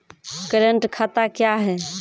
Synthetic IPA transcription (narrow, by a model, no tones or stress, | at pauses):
kəɾəɳʈkʰat̪akjaɦɛ